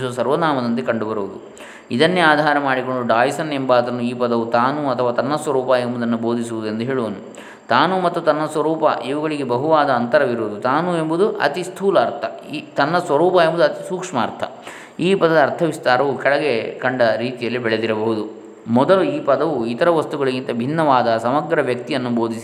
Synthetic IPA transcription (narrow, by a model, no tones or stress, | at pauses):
uʋɐsɐɾʋɐnaːmɐd̪ɐnt̪ikɐɳɖubɐɾuʋud̪u | id̪ɐnːeaːd̪ʱaːɾɐmaːɽiko̞ɳɖuɖaːjsɐnembaːd̪ɾɐnːuiːpɐd̪ɐʋut̪aːnuɐt̪ʰɐʋaːt̪ɐnːɐsʋɐɾuːpɐembud̪ɐnːubo̞ːd̪is̬uʋud̪ue̞nd̪uɦeːɭuʋɐnu | t̪aːnumɐt̪ːut̪ɐnːɐsʋɐɾuːpɐ̰ʔiʋuɡɐɭiɡebɐɦuʋaːd̪ɐːnt̪ɐɾɐʋiɾuʋud̪ut̪aːnue̞mbud̪uʔɐ̰t̪ist̪ʰuːlɐːɾt̪ʰɐit̪ɐnːɐsʋɐɾuːpɐjembud̪uɐt̪isuːkʂmɐ̰ːɾt̪ʰɐ̥̰ | iːpɐd̪ɐd̪ɐːɾt̪ʰɐʋist̪aːɾɐʋukɛɭɐɡekɐɳɖɐɾiːt̪ijɐlːibɛɭed̪iɾɐbɐɦud̪u | mɔd̪ɐluiːpɐd̪ɐʋuit̪ɐɾɐʋɐst̪uɡɐɭiɡint̪ɐbʱinːɐʋaːd̪ɐsɐmɐɡɾɐʋjɐk̚t̪ijɐnːubo̞ːd̪isi̥